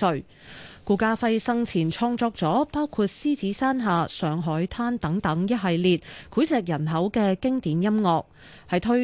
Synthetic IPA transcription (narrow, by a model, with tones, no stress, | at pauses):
ɵ˨ɥ | kuː˨˩kaː˧fɐ˧jsɐ˧ŋt͡sʰiː˨˩nt͡sʰɔː˧ŋt͡sɔː˧k̚t͡sɔː˨˥paː˥wkʰuː˧t̚siː˥t͡siː˨˥saː˥nɦaː˨˧sœː˨˧ŋɦɔː˨˥jt̪ʰaː˥nt̪ɐ˨˥ŋt̪ɐ˨˥ŋjɐ˥t̚ɦɐ˨˧jliː˧t̚kʰuː˨˥jsɛː˨˧k̚jɐ˨˩nɦɐ˨˥wkɛː˧kɪ˥ŋt̪iː˨˥njɐ˥mŋɔː˨˧k̚ | hɐ˨jt̪ʰɵ˥